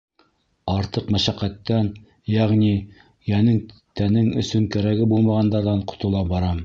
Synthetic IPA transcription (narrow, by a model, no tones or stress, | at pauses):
ɑɾt̪ɤqmæʃæqːæt̪ːæn | jæʁni | jænɘŋt̪ænɘŋɵ̆sɵŋkæɾæɡɘbulˠmɑʁɑnd̪ɑɾðɑɴqŏ̥t̪ŏlˠɑbɑɾɑm